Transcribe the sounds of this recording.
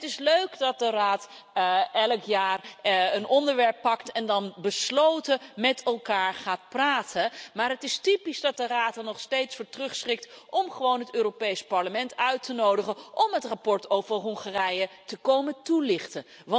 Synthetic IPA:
ətɪsløɥkdɑt̚dəraːt | ʔɛləkjaːrənʔɔndəɹʋɛɹpːɑktɛndɑnbəslowtəmɛtɛlˠkaːɹχaːt̚praːtʰənmaːɹɦətɪstipisdɑt̚dəraːtɑnɔχstejtsfʊːɹtrɵχsχɪk̚tʔɔmχəʋownɦətøːropejspɑɹləmɛntœɥtənowdəχənʔɔmɦətrapɔɹtowvəɹɦɔŋχarɛjətəkowmətulɪχtə | ʋɑ

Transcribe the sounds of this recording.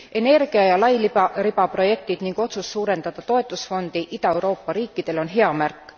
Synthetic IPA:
e̞ne̞rɡ̥iɑjɑlɑjlirib̥ɑpro̞je̞k̚t̪id̪niŋɡ̥o̞t̪susːuːɾe̞nd̪̥ɑd̪̥ɑt̪o̞e̞t̪ːˑusfo̞nd̪̥iʔid̪̥ɑe̞wɾo̞ːpːˑɑɾiːkˑːid̪̥e̞lo̞nɦe̞ɑmærkːˑ

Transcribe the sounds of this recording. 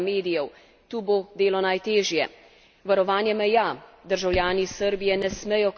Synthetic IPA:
meːd̪ijɛw | t̪uːbod̪eːlɔnajt̪eːʒjɛ̰ | ʋaɾɔʋaːnjɛmɛjad̪əɾʒawljaːnisəɾbijɛnɛsmɛjɔk

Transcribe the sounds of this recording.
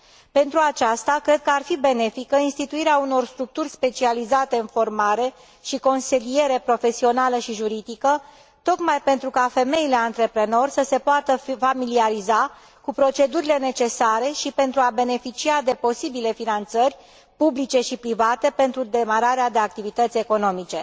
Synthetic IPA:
pe̞nt̪ɾuat͡ʃast̪akɾe̞d̪̚kəarfibe̞ne̞fikəinst̪it̪uiɾeauno̞rst̪ɾuk̚t̪urʲspe̞t͡ʃializat̪e̞ɨnfo̞rmaɾe̞ | ʃiko̞nselije̞ɾe̞pɾo̞fe̞sio̞naləʃiʒuɾid̪ikə | t̪o̞kmajpe̞nt̪ɾukafe̞me̞ile̞ant̪ɾe̞pɾe̞no̞rʲsəse̞poat̪əfamiliaɾiza | kupɾo̞t͡ʃe̞d̪uɾile̞ne̞t͡ʃe̞saɾe̞ʃipe̞nt̪ɾuabe̞ne̞fit͡ʃiad̪e̞po̞sibile̞finant̪sərʲ | publit͡ʃe̞ʃipɾivat̪e̞pe̞nt̪ɾud̪e̞maɾaɾead̪e̞ak̚t̪ivit̪ət̪sʲe̞ko̞no̞mit͡ʃe̞

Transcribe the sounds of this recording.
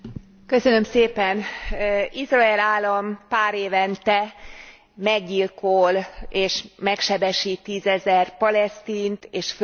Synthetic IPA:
kø̞sø̞nø̞mseːpɛn | izrɒɛlaːlːɒmpaːɾeːvɛnt̪ɛ | mɛɡɟilkoleːʃmɛkʃɛbɛʃit̪ːiːzɛzɛrpɒlɛst̪iːnt̪eːʃf

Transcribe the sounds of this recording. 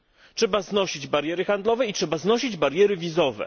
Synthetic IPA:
tʂɛbaznɔɕid͡ʑbaɾjɛɾɘxand̪lɔvɛitʂɛbaznɔɕid͡ʑbaɾʲjɛɾɘvʲizɔvɛ̰

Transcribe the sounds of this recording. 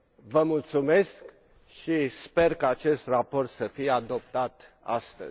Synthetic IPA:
vəmult̪sume̞sk | ʃispe̞rkaat͡ʃe̞st̪rapo̞rt̪səfijead̪op̚t̪at̪ | a̰st̪ə̰

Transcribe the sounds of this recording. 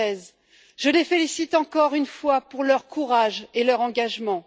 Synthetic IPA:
ɛz | ʒ̥əlefelisit̪ɑ̃kɔʁynfwapuʁlœʁkʰuʁaʒelœʁɑ̃ɡaʒmɑ̃

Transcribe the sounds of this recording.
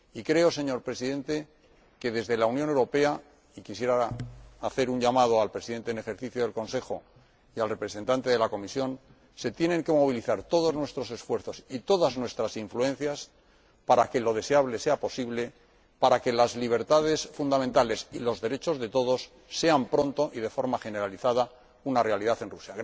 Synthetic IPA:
ikɾe̞o̞se̞ɲo̞ɾpɾe̞siðẽ̞nt̪e̞ | ke̞ðe̞zðe̞launjone̞wɾo̞pe̞a | ikisje̞ɾaaθe̞ɾuɲʎamað̞o̞alpɾesiðe̞nt̪eːne̞xe̞ɾθiθjoðe̞lko̞nse̞xo̞̰ | ialre̞pɾe̞se̞nt̪ant̪e̞ðe̞lako̞misjo̞n | se̞t̪je̞ne̞ŋke̞mo̞β̞iliθaɾt̪o̞ðo̞znwe̞st̪ɾo̞se̞sfwe̞ɾθo̞sit̪o̞ðaznwe̞st̪ɾasiɱflue̞n̟θjas | paɾake̞lo̞ðe̞seaβle̞se̞apo̞siβle̞ | paɾake̞lazliβ̞e̞ɾt̪að̞e̞sfund̪ament̪ale̞silo̞zðe̞ɾe̞t͡ʃo̞zðe̞t̪o̞ðo̞sː | e̞ampɾõ̞nt̪o̞ʔiðe̞fo̞ɾmaχe̞ne̞ɾaliθaða | unarealiðaθe̞nrusja

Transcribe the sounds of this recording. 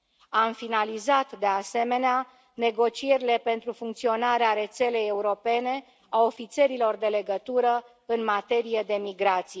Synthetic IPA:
amfinalizat̪d̪e̞ase̞me̞nea | ne̞ɡo̞t͡ʃie̞ɾile̞pe̞nt̪ɾufuŋkt̪sio̞naɾeaɾe̞t̪se̞le̞jeuɾo̞pe̞ne̞ | aofit̪se̞ɾilo̞rd̪e̞le̞ɡət̪uɾə | ɨnmat̪e̞ɾijed̪e̞miɡɾat̪sije

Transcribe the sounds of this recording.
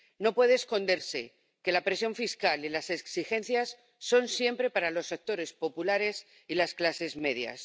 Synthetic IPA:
no̞pwe̞ðe̞ːsko̞nd̪e̞ɾse̞ | ke̞lapɾe̞sjo̞ɱfiskalilase̞ksixẽ̞n̟θjasː | o̞nsje̞mpɾe̞paɾalo̞sak̚t̪o̞ɾe̞spo̞pulaɾe̞s | ilasklase̞zme̞ðja̰s

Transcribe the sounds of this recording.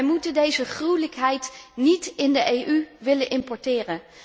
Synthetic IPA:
jmutədejzəχrujləkɦɛjtnitɪndəʔejʔyʋɪlənʔɪmpɔɹtɪːrən

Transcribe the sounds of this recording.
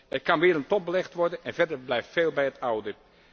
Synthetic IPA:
ɛtkɑnʋɪːəɾəntɔp̚bəlɛxtʋɔrdənɛnvɛrdərblɛjftfeːlˠbɛjətʰawdə

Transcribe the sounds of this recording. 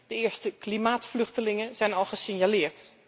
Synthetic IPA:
d̥əɪəɹstəklimaːtflɵxtəlɪŋəz̥ɛjnɔlˠɣəsɪnjalɪəɹt

